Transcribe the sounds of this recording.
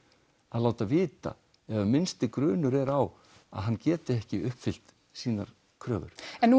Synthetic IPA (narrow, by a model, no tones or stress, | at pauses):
aðlaːwt̪avɪːt̪a̰ | ɛvamɪnst̪ɪkɾʏːnʏɾɛɾaw | a̰ðɦanːcɛːt̪ɪɛhcɪʏhpfɪl̥t̪ | siːnaɾ̥ | kʰɾœːvʏ̰ɾ̥ɛnː